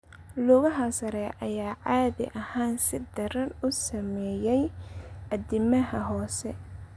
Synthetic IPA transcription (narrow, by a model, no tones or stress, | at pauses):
lʊːɣɐɦɐsɐɾɛʔɐjaːʕaːðɪ̰ʔɐhaːnsɪd̪ɐɾɐnʊsɐmɛːjɛjɐðɪmɐɦɐɦɔːsɛ